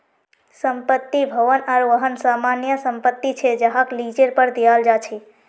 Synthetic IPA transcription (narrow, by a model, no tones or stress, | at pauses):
səmpət̪ːibʱəʋənaɾʋəɦənsamanjəsəmpət̪ːit͡ʃʰed͡ʒəɦaklid͡ʒeɾpəɾd̪ijald͡ʒat͡ʃʰɛ